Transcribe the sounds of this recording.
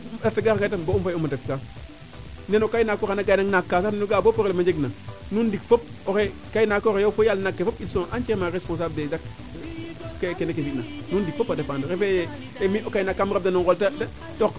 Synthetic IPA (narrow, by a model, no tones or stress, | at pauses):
aɾtaɡaɾŋɡatamboumfajomadefka | nenokainakoxanaɡajnaŋnakːaːs̬anenuɡaːbopoɾelmad͡ʒeɡnanundikfop̚oxekainakoɣejofojalnakːefopitsõʔant͡ʃeɾmaɾespõnsabdedak | kekenek̬esinanundik̚fopːadefandoɾefe | emiʔokajnakːamɾap̚danoŋɡoltada | tok